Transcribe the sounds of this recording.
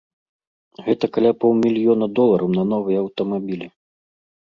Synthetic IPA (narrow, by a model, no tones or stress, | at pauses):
ɣɛt̪ɐkalʲapɔw̪ˠmʲilʲjɔnɐd̪ɔlˠɐɾʔɐwnɐn̪ɔvɨjɐɐwt̪ɐmabʲilʲi